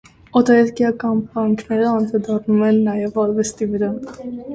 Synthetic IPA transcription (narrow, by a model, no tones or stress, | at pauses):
ɔt̪ɑɛɾkjɑkɑnpɾɑŋkʰnɛɾəɑnd̪ɾɑd̪ɑrnumɛnːɑjɛvɑlvɛst̪ivəɾɑ